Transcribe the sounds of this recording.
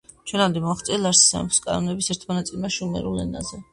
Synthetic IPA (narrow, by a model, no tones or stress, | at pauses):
t͡ʃʰwɛnamd̪ɛmɔaχt̪sʼilˠaɾsi̥sa̰pskʼa̰nɔnɛbisɛɾt̪ʰmɔnat̪sʼilmaʃumɛ̰ɾulɛ̰na̰zɛ